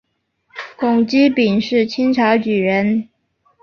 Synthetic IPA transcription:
kʊ˨˩ŋt͡ɕi˥pi˨˩nʂɻ̩˥˩t͡ɕʰi˥ŋʈ͡ʂʰa˧˥ʊt͡ɕy˨˩ɻə˧˥n

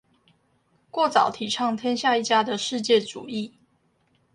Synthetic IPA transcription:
kwɔ˥˩t͡sɑ˨˩ʊt̪ʰi˨˩ʈ͡ʂʰɑ˥˧ŋt̪ʰjɛ˥nɕja˥˧i˥˩t͡ɕja˥d̪ə˨ʂɻ̩˥˧t͡ɕjɛ˥˩ʈ͡ʂṵ˨˩i˥˨

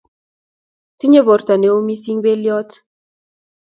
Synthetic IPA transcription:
ti˦ɲe˦βɔ˨˦ɾt̪a˨ne˨˦o˦mi˦si˦ŋbe˦ljɔ˦t

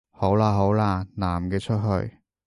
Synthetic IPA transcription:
ho˨˥wlaː˧ɦo˨˥wlaː˧naː˨˩mkɛː˧t͡ʃʰɵ˥t̚ɦɵ̰˧ɥ

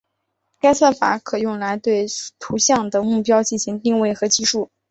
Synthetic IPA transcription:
ka˥ɪsa˥˩fa̰˨˩˥kʰɤ˨˩jʊ˥˩ŋla˧˥ɪt̪we˥˩ɪt̪ʰu˧˥ɕjɑ˥˩ŋd̪ə˩mu˥˩pjɑ˥ʊt͡ɕi˥˩nɕi˧˥ŋt̪i˥˧ŋwe˥˩ɪxɤ˧˥t͡ɕi˥˧ʂu˥˩

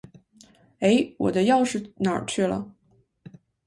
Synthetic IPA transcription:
e˧˥ɪwɔ̰˨˩d̪ə˦jɑ˥˧ʊʂɻ̩˥˩nə̰˨˩t͡ɕʰy˥˩lə̰˩

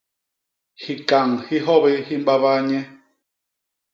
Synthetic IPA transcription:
hi˨ka˨ŋhi˦ɦɔ˦bɛ˦hi˦m˦ba˦βa˦ɲɛ˦

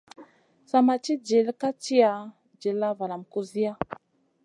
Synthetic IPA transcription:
sa˨ma˨t͡ʃi˦d͡ʒi˨lka˦t͡ʃi˦a˨˦ | d͡ʒi˨lːa˦va˨la˨mku˦zi˦a˦

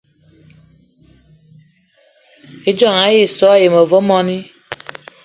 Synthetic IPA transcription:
e˦d͡ʒɔ˦˨ŋa˨˦je˦˨sɔ˨˦a˦˨je˨mɔ˨vo˦mɔ˦ni˦

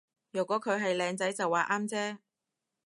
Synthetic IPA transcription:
jœː˨˩kʷɔː˨˥kʰɵ˨˧ɥɦɐ˨jlɛː˨˧ŋt͡sɐ˨˥jt͡sɐ˨wːaː˨ʔaː˥mt͡sɛː˥

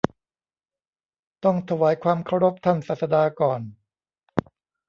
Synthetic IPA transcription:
t̪ɔ˥˩ŋt̪ʰa˧waː˩˦jkʰwaː˧mkʰa˥˩wɾo˦˥p̚t̪ʰa˥˩nsaː˨˩sa˧daː˧kɔː˨˩n

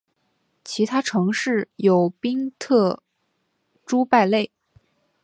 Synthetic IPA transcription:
t͡ɕʰi˧˥t̪ʰa˥ʈ͡ʂʰɤ˧˥ŋʂɻ̩˥˩jo˨˩ʊpi˥ŋt̪ʰɤ˥˩ | ʈ͡ʂu˥pa˥˧ɪle˥˩ɪ

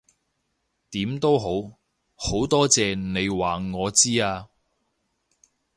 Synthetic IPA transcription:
t̪iː˨˥mt̪o˥wɦo˨˥w | ho˨˥wt̪ɔː˥t͡sɛː˨˧ne˨˧jwaː˨˩ŋɔː˨˧t͡siː˥aː˧

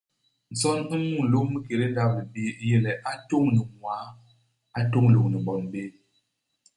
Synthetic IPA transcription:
n̩˨sɔ˦ni˦mu˦˨lo˦mi˦ke˨ɾe˦n˦da˦p̚mi˨bi˦je˦lɛ˨ʔa˦to˦˨ŋni˨ŋwa˨˦ | a˦to˦ŋ˨lo˨ŋni˨mbɔ˨nbe˦

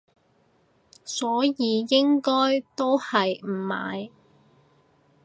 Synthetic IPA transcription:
sɔː˨˥jiː˨˧jɪ˥ŋkɔː˥jt̪o˥whɐ˨jm̩˨˩ma̰ː˨j

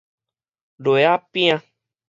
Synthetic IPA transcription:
ɖo˨ja˦pĩ˦ã˦

